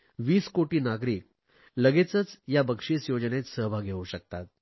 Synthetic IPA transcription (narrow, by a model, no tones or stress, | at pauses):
ʋiːskoʈiːnaɡɾiːk̚ | ləɡet͡sət͡sjabəkʂiːsjod͡ʑənet̪səɦbʱaɡʱeuɕək̚t̪at̪̚